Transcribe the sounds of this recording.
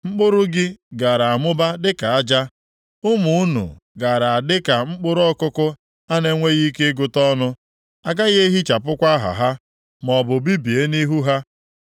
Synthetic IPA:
ŋ͡m̩˦k͡pʊ˦ɾʊ˦ɡɪ˦ɡa˨ɾa˨a˨mʊ˦ba˦dɪ˦ka˨a˦d͡ʒa˦ | ʊ˦mu˨u˦nṵ˨ | ɡa˨ɾa˨a˨dɪ˦ka˨ŋ͡m̩˦k͡pʊ˦ɾɔ˦kʊ˦kʊ˦ | a˦ne˦ŋʷe˦ɣi˦ke˦ɡʊ˦tɔ˦nʊ˦ | a˨ɡa˦ɣe˦ɦi˦t͡ʃa˨pʊ˦kʷa˦ɦa̰˨ɦa˦ | mɔ˨bʊ˨bi˦bi˨e˦ni˦ɦu˦ɦa˦

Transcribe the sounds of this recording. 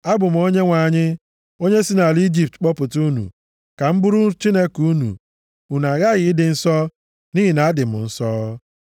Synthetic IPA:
a˦bʊ˨m̩˨o˦ɲe˦ŋʷa˨ɲɪ˦ | o˦ɲe˦si˦na˨li˦d͡ʒi˨p̚tk͡pɔ˦pʊ˨tu˦nṵ˨ | ka˨m̩˦bu˦ɾu˦t͡ʃi˦ne˦ku˦nṵ˨ | u˨na˨ɣa˦ɣɪ˨ɪ˦dɪ˨n̩˦sɔ˦ | ni˦ɦi˨na˨a˦dɪ˨mʊ̰˨n̩˦sɔ˦

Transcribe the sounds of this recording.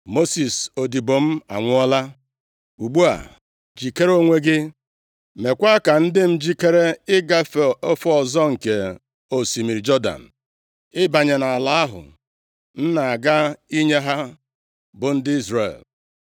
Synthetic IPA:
mo˦si˨so˨di˨bo˨m̩˦a̰˨ŋʷʊ˦ɔ˦la˦ | u˨ɡ͡bu˦a̰˨ | d͡ʒi˨ke˦ɾo˦ŋʷe˦ɡɪ˦ | me˨kʷa˦ka˨n̩˦dɪ˦m̩˦d͡ʒi˦ke˦ɾe˦ɪ˦ɡa˦o˦fɔ˦ɔ˨zɔ˦ŋ̩˨ke˨ | o˨si˨mi˨ɾi˨d͡ʒɔ˦da̰˨n̩˨ | ɪ˦ba˨ɲe˨na˨a˨la˨a˦ɦʊ̰˨ | n̩˦na˨a˨ɡa˦i˦ɲe˦ɦa˦ | bʊ˨n̩˦dɪ˦i˦zrḛ˨l

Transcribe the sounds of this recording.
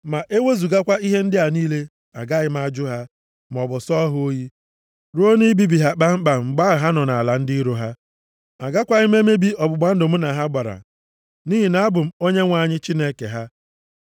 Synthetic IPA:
ma˨ʔe˦we˦zu˨ɡa˦kʷa˦i˦ɦe˦n̩˦dɪ˦a˨niː˦le˦ | a̰˨ɡa˦ɣɪ˦m˦a˦d͡ʒʊ˦ɦa˦ | m˨ɔ˨bʊ˨sɔ˦ɦʊ˦o˦ji˦ | ɾu˦o˦ni˦bi˦bi˨ɦa˦k͡pa˦ŋ͡m̩˦k͡pa˨ŋ͡m̩˨ɡ͡ba˦˨ɦa˦nɔ˨na˨a˨la˨n̩˦di˦ɾo˨ɦa˦ | a˨ɡa˦kʷa˦ɣɪ˦m˦e˦me˦bi˦ɔ˨bʊ˨ɡ͡ba˨n̩˦dʊ˨m̩˦na˨ɦa˦ɡ͡ba˨ɾa̰˨ | niː˦ɦi˨na˨a˦bʊ˨m̩˦o˦ɲe˦ŋʷa˨ɲɪ˦t͡ʃi˦ne˦kḛ˨ɦa˦

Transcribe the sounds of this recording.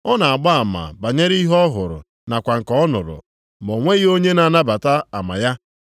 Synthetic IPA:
ɔ˦na˨a˨ɡ͡ba˦a˨ma̰˨ba˨ɲe˦ɾi˦ɦɔ˦ɦʊ˨ɾʊ̰˨ | na˨kʷa˨ŋ̩˨kɔ˨ɔ˦nʊ̰˨ɾʊ̰˨ | mo˨ŋʷe˦ɣo˦ɲe˦na˨na˦ba˨ta˦a˨ma̰˨ja˦

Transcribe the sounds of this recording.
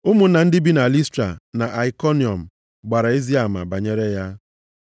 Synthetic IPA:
ʊ˦mʊ˨n̩˦na˨n̩˦dɪ˦bi˦na˨li˦stɾa̰˨na˨ʔa˨i˨kɔ˦ni˨ɔ˨m̩˨ | ɡ͡ba˨ɾa˨e˦zi˦a˨ma̰˨ba˨ɲe˦ɾe˦ja˦

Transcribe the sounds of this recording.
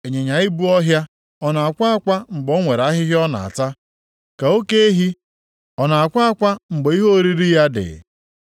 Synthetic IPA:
e˨ɲe˨ɲa˨˦ɪ˦bu˦ɔ˦ɦja˦ | ɔ˦na˨a˨kʷa˦a˦kʷa˦ŋ͡m̩˨ɡ͡bo˨˦ŋʷe˨ɾa˦ɦɪ˦ɦɪ˦ɔ˦na̰˨a̰˨ta˦ | ka˨o˦ke˦e˦ɦi˦ | ɔ˨na˨a˨kʷa˦a˦kʷa˦ŋ͡m̩˨ɡ͡be˨˦i˦ɦo˦ɾi˦ɾi˦ja˦dɪ̰˨

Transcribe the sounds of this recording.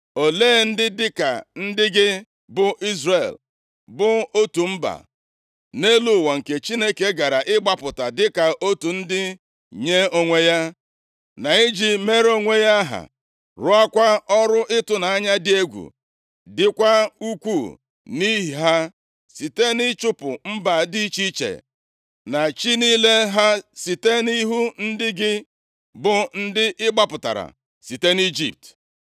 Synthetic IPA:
o˨leː˦˨n̩˦dɪ˦dɪ˦ka̰˨n̩˦dɪ˦ɡɪ˦ | bʊ˨˦ʔi˦zre˨l | bʊ˦o˦tu˨m̩˦ba̰˨ | ne˦lu˨wa˨ŋ̩˨ke˨t͡ʃi˦ne˦ke˦ɡa˨ɾa˨ʔɪ˦ɡ͡ba˦pʊ˨ta˨dɪ˦ka˨ʔo˦tu˨n̩˦dɪ˦ | ɲe˦o˦ŋʷe˦ja˦ | na˨i˦d͡ʒi˦me˦ɾo˦ŋʷe˦ja˦ɦa̰˨ | ɾʊ˦a˦kʷa˦ɔ˦ɾʊ˦ʔɪ˦tʊ˨na˨a˦ɲa˦dɪ˦e˦ɡʷṵ˨ | dɪ˦kʷa˦u˦kʷu˦˨ | ni˦ɦi˨ɦa˦ | si˨te˦nɪ˦t͡ʃʊ˦pʊ˨m̩˦ba˨di˦t͡ʃi˦t͡ʃḛ˨ | na˨t͡ʃi˦niː˦le˦ɦa˦si˨te˦ni˦ɦu˦n̩˦dɪ˦ɡɪ˦ | bʊ˨n̩˦dɪ˦ʔɪ˦ɡ͡ba˦pʊ˨ta̰˨ɾa̰˨ | si˨te˦ni˦d͡ʒḭ˦˨p̚t

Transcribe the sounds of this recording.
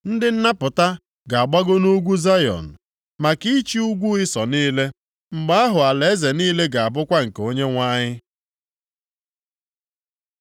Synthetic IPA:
n̩˦dɪ˦n̩˦na˦pʊ˨ta˦ | ɡa˨a˨ɡ͡ba˦ɡʊ˦nu˦ɡʷu˦za˦jɔ̰˨n̩˨ | ma˨ki˦t͡ʃi˦u˦ɡʷu˦ɪ˦sɔ˨niː˦le˦ | ŋ͡m̩˨ɡ͡ba˦a˦ɦʊ˨a˨le˨˦ze˨niː˦le˦ɡa˨a˨bʊ˦kʷa˦ŋ̩˨ko˦ɲe˦ŋʷa˦ɲɪ˦

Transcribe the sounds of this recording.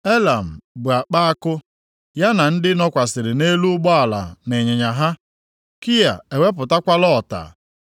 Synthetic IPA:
e˦la˨m̩˨bʊ˨a˨k͡pa˦a˦kʊ˦ | ja˦na˨n̩˦dɪ˦nɔ˦kʷa˨sɪ˨ɾɪ˨ne˦lu˦ʊ˦ɡ͡bɔ˦a˨la̰˨ne˨ɲe˨ɲa˨ɦa˦ | ki˦ja˨e˨we˦p̬ʊ˨ta˦kʷa˦lɔ˦˨ta̰˨

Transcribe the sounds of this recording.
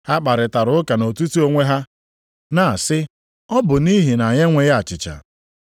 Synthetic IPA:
ha˦k͡pa˨ɾɪ˨ta˨ɾʊ˦ʊ˦ka˨no˨tu˦tu˦o˦ŋʷe˦ɦa˦ | na˨a˨sɪ˦ | ɔ˦bʊ˨ni˦ɦi˨na˨ɲe˦ŋʷe˦ja˨t͡ʃɪ˨t͡ʃa̰˨

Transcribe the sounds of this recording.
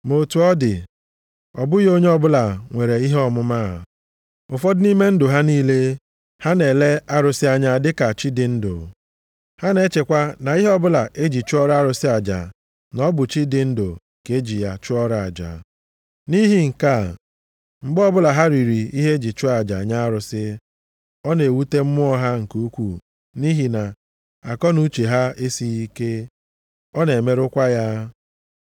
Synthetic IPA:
mo˨tu˨ɔ˦dɪ˨ | ɔ˨bʊ˦jo˦ɲe˦ɔ˦bʊ˦la˨ŋʷe˨ɾe˨i˦ɦe˦ɔ˦mʊ˦maː˦˨ | ʊ˨fɔ˦dʊ˦ni˦me˦n̩˦dʊ˨ɦa˦niː˦le˦ | ha˦ne˨le˦a˦ɾʊ˨sɪ˦a˦ɲa˦dɪ˦ka˨t͡ʃi˦dɪ˨n̩˦do̰˨ | ha˦ne˨˦t͡ʃe˨kʷa˦na˨i˦ɦe˦ɔ˦bʊ˦la˨ʔe˦d͡ʒi˨t͡ʃʊ˦ɔ˦ɾa˦a˦ɾʊ˨sɪ˦a˨d͡ʒa̰˨ | nɔ˦bʊ˨t͡ʃi˦dɪ˨n̩˦do˨ | ke˦d͡ʒi˨ja˦t͡ʃʊ˦ɔ˦ɾa˨a˨d͡ʒa̰˨ | ni˦ɦi˦ŋ̩˨ka˦˨ | ŋ͡m̩˨ɡ͡bɔ˦bʊ˦la˨ɦa˦ɾi˨ɾi˨i˦ɦe˦d͡ʒi˨t͡ʃʊ˦a˨d͡ʒa˨ɲa˦a˦ɾʊ˨sɪ˦ | ɔ˦ne˨wu˦te˦m̩˦mʊ˦ɔ˦ɦa˦ŋ̩˨ku˦kʷu˦˨ | ni˦ɦi˨na˨ | a˨kɔ˦nu˦t͡ʃe˨ɦa˦e˦si˦i˦ke˦ | ɔ˦ne˨me˦ɾʊ˦kʷa˦ja˦

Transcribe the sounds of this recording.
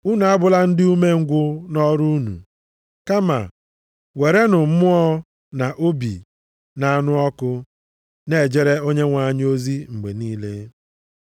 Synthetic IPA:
u˦na˨a˦bʊ˦˨la˦n̩˦dɪ˦u˦me˦ŋ̩˦ɡʷʊ˦nɔ˦ɾu˦nṵ˨ | ka˦ma̰˨ | we˨ɾe˦nʊ˨m̩˦mʊ˦ɔ˦ | na˨ʔo˦bḭ˨ | na˨a˦nʊ˦ɔ˦kʊ˦ | ne˦˨d͡ʒe˦ɾe˦o˦ɲe˦ŋʷa˨˦ɲ˦o˦zi˦ŋ͡m̩˨ɡ͡bḛ˨niː˦le˦

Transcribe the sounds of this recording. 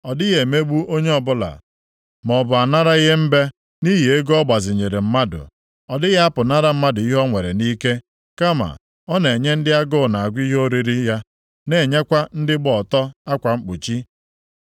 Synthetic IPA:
ɔ˨dɪ˦ɣe˨me˦ɡ͡bu˦ʔo˦ɲe˦ɔ˨bʊ˦la̰˨ | mɔ˨bʊ˨a˨na˦ɾa˦i˦ɣe˦m̩˦be˦ | ni˦ɦi˨e˦ɡɔ˦ɡ͡ba˨zɪ˨ɲe˨ɾe˨m̩˦ma˦dʊ̰˨ | ɔ˨dɪ˦ɣa˦a˦pʊ˨na˦ɾa˦m̩˦ma˦dʊ˨i˦ɦɔ˦ŋʷe˨ɾe˨ni˦ke˦ | ka˦ma̰˨ | ɔ˦ne˨ɲe˦n̩˦dɪ˦a˦ɡʊ˦˨na˨a˨ɡʷi˦ɦo˦ɾi˨ɾi˦ja˦ | ne˨ɲe˦kʷa˦n̩˦dɪ˦ɡ͡bɔ˨tɔ˦a˦kʷa˨ŋ͡m̩˦k͡po˨t͡ʃi˦

